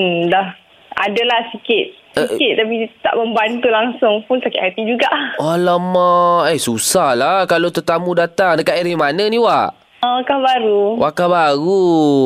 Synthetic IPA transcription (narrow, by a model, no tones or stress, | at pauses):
dah | a̰dalahsikɪt̪̚ | sikɪt̪̚t̪ːap̬it̪a̰ʔməmbant̪ulaŋsʊŋpunsakɪt̪hat̪id͡ʒuɡaʔwalamaesusahlakalot̪ət̪amudat̪aŋdəkaʔiɾimanənĩwaʔ | ə̃kahbaɾuwʔaʔkahbaɾu